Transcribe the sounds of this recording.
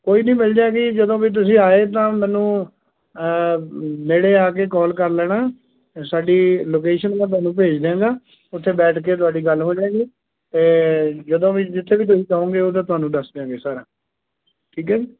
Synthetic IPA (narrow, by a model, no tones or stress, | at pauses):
koːiːnĩːmɪld͡ʒaːɡid͡ʒəd̪õːʋiːt̪̬ʊsĩːaːeːt̪ãːmɛ̃ːnũː | neːɽeːaːk̬eːkɔːlkəɾlɛːnaː | saːɖiːloːkeːʃənmãːt̪ʊaːnũːp̬eːd͡ʒd̪eãːɡaː | ʊt̪ʰːeːbɛːʈʰkeːt̪̬ʊaːɖiːɡəlɦoːd͡ʒaːeɡiː | t̪eːd͡ʒəd̪õːʋiːd͡ʒɪt̪ʰːeːʋiːt̪̬ʊsĩːt͡ʃəõːɡeːot̪ãːt̪ʊaːnũːɖəsd̪eãːɡeːsəɾ | ʈʰiːkɛːd͡ʒiː